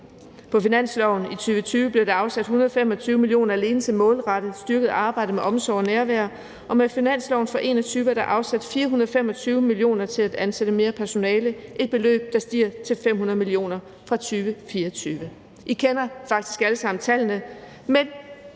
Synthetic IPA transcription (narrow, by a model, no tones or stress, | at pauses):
pʰɒ̽finæn̰slɒʊn̩it͡sʰyːʋət͡sʰyːʋəb̥le̝d̥ɑ̈ɑ̈ʊsæd̥hunɐðˠɒ̽femɒ̽t͡sʰyːʊəmilio̝̰ːnɐæle̝ːnəsʰe̝mɔ̰̽ːlʁɑ̈ɾ̥ð̩ˠsd̥yɐɡ̥ð̞̩ˠɑ̈ːb̥ɑ̈ɪ̰d̥əmeʔɒ̽msɒʊ̰næɐʋæɐ | ʔɒ̽mefinæn̰slɒʊn̩fʁɑ̈ʔe̝̰ːnɒ̽t͡sʰyːʋɐd̥ɑ̈ʔɑ̈ʊsæd̥fiːɐɦunɐð̩ˠfemɒ̽t͡sʰyːʊəmilio̝̰ːnɐt͡sʰe̝læd̥ænseɾ̥əme̝ːɐpʰæɐso̝nɛːləʔe̝d̥̚b̥e̝lø̰ːb̥̚d̥ɑ̈sd̥ḭːɐt͡sʰe̝lfem̰hunɐð̞̩ˠmilio̝̰ːnɐ | fʁɑ̈t͡sʰyːʋəfiːɐt͡sʰyːʋə | ʔikʰenɐfɑ̈ɡ̥̚d̥i̥sɡ̥æləsɑ̈m̰n̩t͡sʰæl̰nə | men